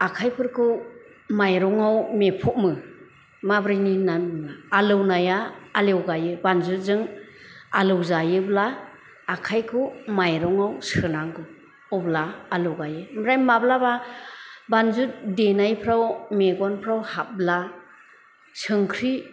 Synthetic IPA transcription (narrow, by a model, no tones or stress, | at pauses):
akʰajpʰɯɾkʰɯ | majɾɔŋawmepʰɔt̚mɯ | mabɾajninanmaalɯwnajaːlewɡajɯbanzut̚zɯŋ | alɯwzajɯblaː | kʰajkʰɯmajɾɔŋawsɯnaŋɡɯ | ɔblaːlɯwɡajɯmɾajmablaba | banzut̚denajpʰɾawmeɡɔnpʰɾawhap̚bla | sɯŋkʰɾi